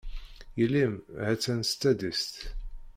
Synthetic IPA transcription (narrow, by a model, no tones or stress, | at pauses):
jəlːimhæt͡sːænst̪ːæd̪ist̪